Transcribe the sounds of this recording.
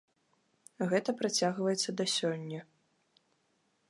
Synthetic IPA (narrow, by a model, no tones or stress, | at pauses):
ɣɛt̪ɐpɾat͡sʲaɣvɐjɛt̪sːɐd̪ɐsʲɔnʲːɐ